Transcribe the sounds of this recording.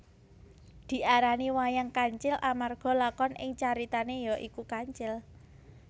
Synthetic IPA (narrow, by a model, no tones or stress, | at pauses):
d̪̥i̤ʔaɾaniwajaŋkaɲt͡ʃɪlamarɡ̥ɔ̤lakɔnʔɪ̰ŋt͡ʃaɾit̪anejɔʔikukaɲt͡ʃɪl